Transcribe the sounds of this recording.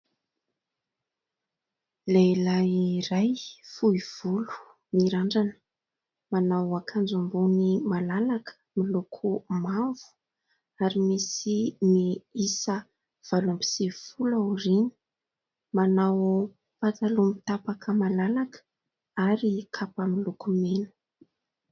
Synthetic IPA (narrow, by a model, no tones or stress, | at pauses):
lelajirajfuiv̥ulu̥ | miɾaɳɖ͡ʐanə̥ | manawakʰand͡ʒambunimalalakə̥ | milokʰumavu̥ | aɾimisimiisə | v̥alumbi̥sifulaurinə̥ | manaw | fat͡salumit̪apakʰəmalalakə̥ | aɾikʰapamilukumenə̥